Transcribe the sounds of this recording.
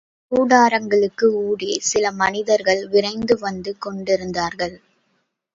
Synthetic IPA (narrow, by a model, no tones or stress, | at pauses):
kuːɽaːɾɐŋɡɐɭɯkːɯuːɽeːsɪlɐmɐnɪðɐɾɣɐɭʋɪrɐɪnd̪ɯʋɐnd̪ɯkɔɳɖɪɾɯnd̪aːɾɣɐɭ